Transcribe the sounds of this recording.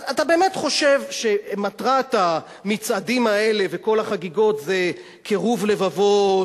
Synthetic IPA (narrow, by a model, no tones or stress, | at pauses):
atabe̞ːme̞tχo̞ʃe̞vʃe̞matʁata | mit͡sadimae̞le̞ve̞ko̞laχaɡiɡo̞tze | kʰeʁuvle̞vavo̞